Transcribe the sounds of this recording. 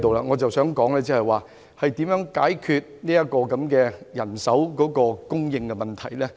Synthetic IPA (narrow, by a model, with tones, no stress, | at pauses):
t̪o˨wlaː˧ŋɔː˨˧t͡sɐ˨wsœː˨˥ŋkɔː˨˥ŋlɛː˥t͡sɐ˨˧hɐ˨˩jwaː˨ | hɐ˨jt̪iː˨˥mjœː˨˥ŋkaː˨˥jkʰyː˧t̚niː˥jɐ˥t̚kɔː˧kɐ˨˥mkɛː˧jɐ˨˩nsɐ˨˥wkɔː˨˥kɔː˧kʊ˥ŋjɪ˧ŋkɛ˧mɐ˨nt̪ʰɐ˨˩jlɛː˥